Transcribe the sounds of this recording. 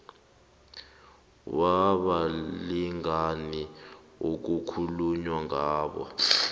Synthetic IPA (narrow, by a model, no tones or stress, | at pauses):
waɓaliŋani | uk̬ukʰuluɲwaŋaːɓɔ̰